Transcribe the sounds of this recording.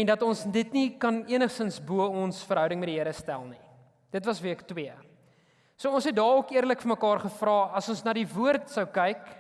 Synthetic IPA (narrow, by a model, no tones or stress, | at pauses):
ɛndɐtɔnsdətnikɐniənəχsənsbuəɔnsfəɾɦœwdəŋmɛdiɦiəɾəstæ̰lˠni | d̥ətvɐsviəktwiə | suəɔnsɦɛt̚dɑːɔkiərləkfəməkɑːrχəfrɑːɐsɔnsnɑːdivuərtsəwkɛjk